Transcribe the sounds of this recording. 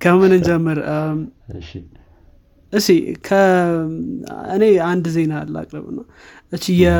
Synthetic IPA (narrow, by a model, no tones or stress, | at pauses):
kʰəmɨnɨnd͡ʒɛmːɨɾ | ʔɨʃikʰə | ɨne̞and̪zenalːa̰kʼɾə̰βɨ̰nːa | ɨt͡ʃːijɛ